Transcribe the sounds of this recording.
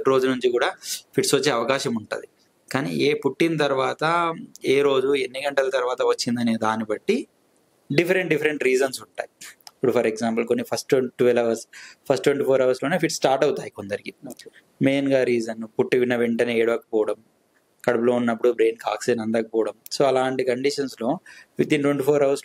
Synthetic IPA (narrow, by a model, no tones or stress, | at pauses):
ɾo̞ːd͡ʒunuɲt͡ʃikuːɽaːpʰiʈsʋɐt͡ʃːeːɐʋɐkaːʃɐmuɳʈṵːd̪i | kaːnḭeːpuʈːint̪ɐɾuʋaːt̪ɐeːɾo̞ːd͡ʒuenːiɡɐɳʈɐlɐt̪ɐɾuʋaːt̪ɐʋɐt͡ʃːind̪ɐneːd̪aːnibɐʈːi | ɖifɐɾeɳʈɖifɐɾeɳʈɾiːd͡ʒɐnsuɳʈa̰ːjiipːuɽupʰɐɾeɡzaːmp̬ɐlkonːipʰɐsʈeʈuʋlɐʋɐɾspʰɐsʈːweɳʈiːpʰoːɾɐʋɐɾsloːneːpʰiʈsʈaːɾʈɐwut̪aːjikond̪ɐɾiki | me̞ːnɡaːɾiːd͡ʒɐnpuʈːiʋinːɐʋeɳʈɐneeːɽʋɐːkɐ̥pɔːɐɽɐm | kɐɽɐpulo̞ːunːɐpːuɽubɾe̞ːnkaːksinɐnd̪ɐkɐpɔːɐɽɐmso̞ːɐlaːɳʈikɐɳɖiʂɐnslo̞ːʋid̪inʈweɳʈipʰoːɾɐʋɐɾs